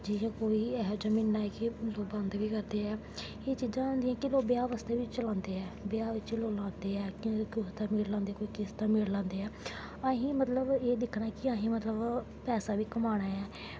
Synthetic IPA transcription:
d͡ʒɪɦãːkoːiːɛːɦod͡ʒəmĩːnːaːɛːkɪloːkbãnd̪ʋiːkəɾd̪eːɛː | eːt͡ʃiːd͡ʒãːãnd̪iːɛ̃ːkɪloːbɪaːʋaːst̪eːʋɪt͡ʃt͡ʃəlãːnd̪eːɛːbeaːʋɪt͡ʃloːlãːnd̪eːɛːkĩkʊst̪aːmɪːɽlãːnd̪eːkoːikɪst̪ãːmeːɽlãːnd̪eːɛː | əɦĩːmət̪ləbeːd̪ɪkʰːnaːɛkɪaːɦĩːmət̪ləb | pɛːsaːʋiːkəmaːɽ̃aːɛː

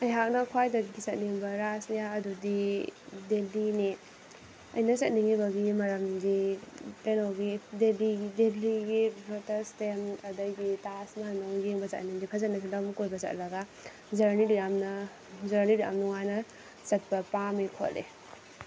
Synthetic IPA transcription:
ɐjɦak̚nɐkʰwajdɐɡisɐt̚niŋbɐɾasnijaɐdudidelini | ɐ̰jnɐsɐt̚niŋibɐɡimɐɾɐmɡipenowɡidelideliɡibɔtɐstemɐdɐɡitasmanowjeŋbɐza̰tniŋɡipʰɐzɐt̚nɐs̬ilamkojbɐza̰tlɐɡa | zɐɾnidujamnɐ | zɐɾniɾuja̰mnuŋajnɐ | sɐt̚bɐpamikʰo̰lḛ

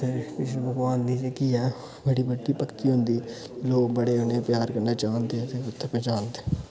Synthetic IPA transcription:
t̪ʰeːpɪt͡ʃlebəɡʋaːnd̪iːd͡ʒekiɛː | bəɽiːbəɖːiːpəkt̪iːɦʊ̃nd̪iːtːloːkbəɽeːɦonepjaːɾkəɾnaːt͡ʃaːnd̪eɛt̪eʊt̪ʰːẽpɛ̃ːt͡ʃaːnd̪e

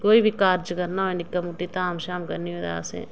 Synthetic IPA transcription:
koːibʱikaːɾd͡ʒkɐɾnaoenɪkːəmuʈit̪aaːmʃaːmkɐɾnied̪a̰ːsḛ̃ː

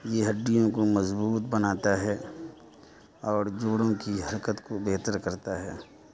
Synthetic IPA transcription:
jeɦɐɖːijõkomɐzbuːt̪bɐnaːt̪aɦɛː | ɔːɾd͡ʒoːɽõkiɦɐɾkət̪kobɛːt̪əɾkɐɾt̪aɦɛː

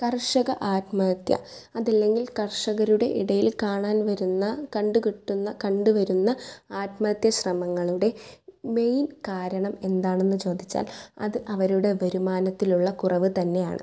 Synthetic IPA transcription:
kɐrʂɐɣɐʔaːtmɐːt̪jɐ̰ɐðɐlːe̞ŋɡilkɐrʂɐɣɐɾuɽe̞̰ʔiɽɐjilkaːɳaːnʋɐɾunːɐkɐɳɖukiʈːunːɐkɐɳɖuʋɐɾunːɐaːtmɐːt̪jɐɕrɐmɐŋːɐɭuɽe̞me̞jnkaːɾɐɳɐme̞nd̪aːɳe̞nːɨt͡ɕo̞ːd̪ʱit͡ɕːa̰ːlɐ̰ðɨʔɐʋɐɾuɽe̞ʋɐɾumaːnɐt̪ːiluɭːɐkurɐʋɨt̪ɐnːe̞ja̰ːɳɨ̰

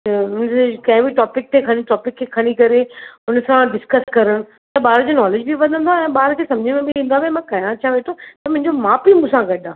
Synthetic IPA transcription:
ʊnsekɐ̃ɦɪ̃biʈɔːpɪk̚t̪ʰekʰɐɽ̃iʈɔːpɪkʰːekʰɐɽ̃ikɐɾeʊnsãɖɪskəskɐɾəɽ̃ | t̪ɐɓaːɾd͡ʑonɔːleːd͡ʑbʱiʋɐ̃nd̪ənd̪aɛ̃ːɓaːɾk̪ʰeːsɐ̃md͡ʑʱɪmẽbɪ̃ĩːn̆d̪abemãkɐjãt͡ɕʰaʋeːʈʰot̪ɐmʊ̃ɦɪ̃ɲd͡ʑomaːpimũːsãɡɐɗʱãː

